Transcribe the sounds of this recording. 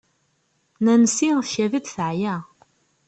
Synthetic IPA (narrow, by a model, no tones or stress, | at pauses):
nænəsiçævid̪θəʕjæ